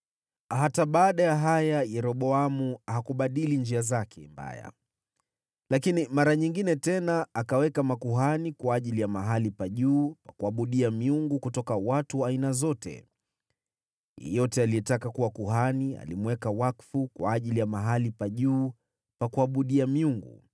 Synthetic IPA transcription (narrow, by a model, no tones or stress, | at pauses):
ɦataɓaːɗajaɦajajɛɾɔɓɔamuaɦakuɓaɗilind͡ʒiazakʰɛmba̰ja̰ | lakinimaɾaɲiŋɡinɛtɛnaːkawɛkamakuɦanikwaːʄilijamaɦalipaʄuːpakuaɓuɗiamiuŋɡukutɔkawatuwaːinazɔtɛ̰ | jɛ̰jɔtɛalijɛtakakuwakuɦania̰limwɛkawakfukwa̰ːʄilijamaɦalipaʄuː | pakuaɓuɗiamiuŋɡṵ